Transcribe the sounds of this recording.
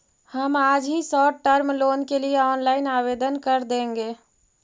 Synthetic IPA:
həmad͡ʒʱɦĩsɔʈəɾmlonkelijeɔnlaɪnabed̪ənkəɾd̪ẽŋɡe

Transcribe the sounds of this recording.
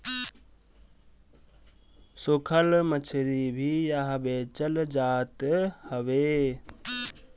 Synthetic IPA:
sokʰəlmət͡ʃʰɾibʱijaɦbeːt͡ʃəld͡ʒaːt̪həʋeː

